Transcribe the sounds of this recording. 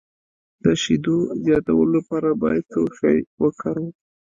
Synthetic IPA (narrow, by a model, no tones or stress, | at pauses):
d̪̥əʃid̪ozjɑt̪awəlolapɑɾabɑjad̪̚t͡səwʃɑjwəkʰaɾu